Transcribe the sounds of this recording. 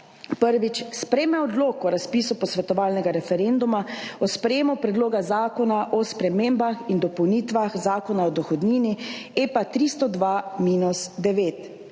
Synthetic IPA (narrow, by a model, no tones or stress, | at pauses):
pəɾʋit͡ʃspɾɛːmɛɔd̪loːkɔɾaspiːsupɔsʋɛt̪ɔʋaːlnɛɡaɾɛfɛɾend̪umaɔspɾɛjeːmupɾɛd̪loːɡazaːkɔnaʔɔspɾɛmeːmbaxind̪ɔpɔwniːt̪ʋaxzaːkɔnaɔd̪ɔxɔd̪niːniepat̪ɾist̪ɔd̪ʋamiːnusd̪ɛʋeːt̪